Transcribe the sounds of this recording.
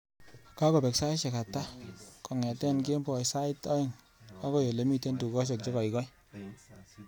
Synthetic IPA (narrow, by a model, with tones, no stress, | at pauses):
ka˦ko˨pɛ˨ksa˦i˦ʃɛ˨ka˨ta˦kɔ˨ŋɛ˨tɛ˦nke˦mbɔ˨sa˦ɪ˦tɔ˦ɪ˦˨ŋ | a˦ko˦jo˨le˨˦mi˦te˦ntu˨kɔ˦ʃ̬e˨k̚t͡ʃe˦kɔ˨i˨kɔ˦j